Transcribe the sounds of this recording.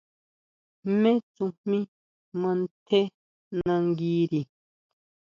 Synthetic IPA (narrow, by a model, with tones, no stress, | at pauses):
m̩˦mẽ˦t͡sũ˨mmĩ˦ | mə̃˨n̩˦tʰe˦ | nã˨ŋ̩˦ɡiː˦ɾi˨